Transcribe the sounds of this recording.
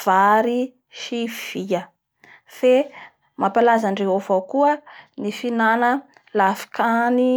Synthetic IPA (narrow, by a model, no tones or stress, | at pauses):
v̥aɾi | ʃiviə | fe | mapalazaɳɖ͡ʐeɦovokuənifinanə | lafi̥kʰani